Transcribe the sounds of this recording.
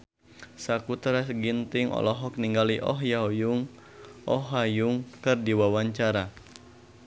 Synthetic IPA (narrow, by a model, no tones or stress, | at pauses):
sakut̪ɾɛsɡint̪iŋɔ̰lɔɦɔk̚niŋɡaliʔɔɦjawjuŋ | ʔɔɦajuŋkɨrdiwawaɲt͡ʃaɾa